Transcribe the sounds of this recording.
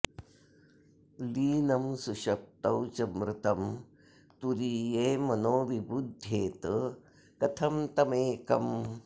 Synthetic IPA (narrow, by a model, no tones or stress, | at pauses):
liːnɐmsuʃɐp̚t̪ɐwt͡ʃɐmɾɪt̪ɐm | t̪uɾiːjeːmɐnoːʋibud̪ʱːeːt̪ | kɐt̪ʰɐmt̪ɐmeːkɐm